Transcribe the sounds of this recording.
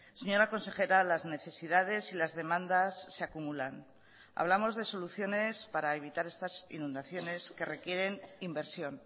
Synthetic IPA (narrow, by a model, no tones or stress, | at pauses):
se̞ɲo̞ɾako̞nse̞xe̞ɾalazne̞θe̞siðað̞e̞silazðe̞mãnd̪asːe̞akumulan | a̰βlamo̞zðe̞so̞luθjo̞ne̞spaɾae̞βit̪aɾe̞st̪asḭnũnd̪aθjo̞ne̞skere̞kje̞ɾe̞nimbe̞ɾsjo̞n